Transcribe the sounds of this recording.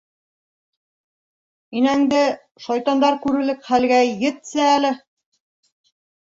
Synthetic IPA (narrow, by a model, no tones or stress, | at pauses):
inæŋd̪ɘ | ʃɑjt̪ɑnd̪ɑɾkʉɾɘ̆lɘkχælɡæjɘ̆t̪sæælɘ